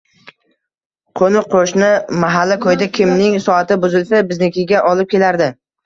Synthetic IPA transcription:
qʰonɪqʰoʃnɪmaɦalːakʰojd̪akʲʰɪmnɪŋsɒat̪ɪbʊzɪlfɪbɪznekʲɪɡʲaʔɒlɪp̚kʲʰe̞laɾd̪ɪ

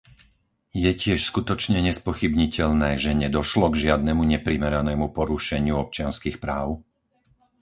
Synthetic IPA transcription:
jɛcɪɛʃskut̪ɔt͡ʃɲɛɲɛspɔxibɲicɛʎnɛːʒɛɲɛd̪ɔʃlɔɡʒɪad̪nɛmuɲɛpɾimɛɾanɛːmupɔɾuʃɛɲɪuɔp̚t͡ʃɪanskiːxpɾaːʊ

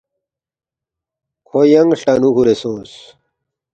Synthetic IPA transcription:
kʰojɐŋɡɬʈɐnukuɾesõːs

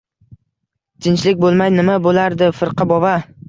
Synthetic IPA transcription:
t̪ʰɪnt͡ʃlɪkʲbolˠmajnɪmabolaɾd̪ɪfɪɾqʰɨbɒba

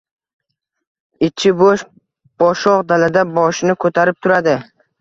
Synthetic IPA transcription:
ɪt͡ʃʰːɪboʃ | b̥ɒʃɒqd̪alad̪abɒʃnɪkʰɵt̪ʰaɾɪp̚t̪ʰʊɾad̪ɪ

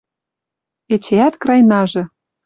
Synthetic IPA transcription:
et͡ɕeæt̪krɑjnɑʒɤ̆

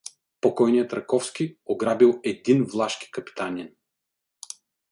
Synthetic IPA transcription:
pokɔjnijət̪ɾɐkɔfskioɡɾabilˠɛd̪invlˠaʃki̥kɐpi̥t̪anʲin

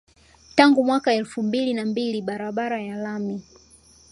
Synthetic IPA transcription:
taŋɡumwakaɛlfumbilinambiliɓaɾaɓaɾajalami

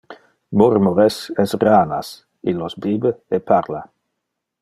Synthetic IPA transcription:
moɾmoɾesɛsraːna̰s | ilosbiːbeepaɾla

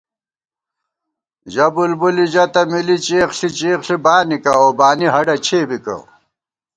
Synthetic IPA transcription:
ʑɐbulbuliʑɐt̪ɐmilit͡ɕeːχɬit͡ɕeːkɬibaːnikɐobaːniɦɐɖɐt͡ɕʰeːbikɐ̰

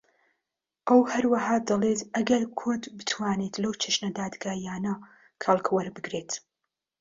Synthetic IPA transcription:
ʔɐwhɐɾwɐɦaːd̪ɐlˠet̪ʔɐɡɐɾkʰʊɾd̪bɨt̪ʰwaːnet̪lɐwt͡ʃʰɐʃnɐd̪aːd̪ɡaːjaːnɐ | kʰɐlˠkʰwɐɾbɨɡɾeːt̪

